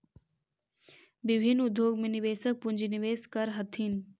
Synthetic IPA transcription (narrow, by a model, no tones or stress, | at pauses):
bɪbʱɪnːʊd̪ʱːjoːɡmẽnɪʋeːsək̚pʊnd͡ʒiniʋeːskɐɾɦɐt̪ʰin